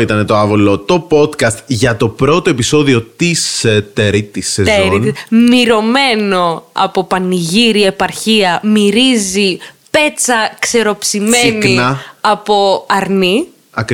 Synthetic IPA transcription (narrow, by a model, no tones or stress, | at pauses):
it̪ɐnet̪oɐvolot̪o̞po̞t̪kɐst̪ʝɐt̪o̞pɾo̞t̪oe̞piso̞ðio̞t̪ist̪eɾit̪isːezeoɾinimiɾo̞me̞no̞ɐ̰po̞pɐniʝiɾie̞pɐɾçiɐmiɾizipe̞t͡sɐkse̞ɾo̞psime̞ninɐɐpo̞ɐɾni | ɐkɾ